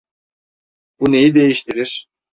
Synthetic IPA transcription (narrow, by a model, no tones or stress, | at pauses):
bune̞jid̪e̞jiʃt̪ʰiɾiɾ̥